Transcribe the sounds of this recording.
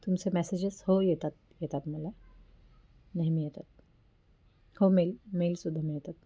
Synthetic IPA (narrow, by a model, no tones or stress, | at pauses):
t̪ʊmsemɛːsed͡ʒeshojet̪ɐt̪̚jet̪ɐt̪mɐlɐ | nɐɦmijet̪ɐt̪̚ | homelmeːlsud̪ʱɐmijet̪ɐt̪̚